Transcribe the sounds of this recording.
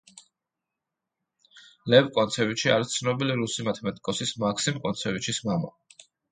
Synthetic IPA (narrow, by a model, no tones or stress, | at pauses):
lɛvkʼɔnt̪sʰɛvit͡ʃʰiaɾist̪sʰnɔbiliɾusimat̪ʰɛmɛt̪ʼkʼɔsismakʰsimkʼɔnt̪sʰɛvit͡ʃʰismama̰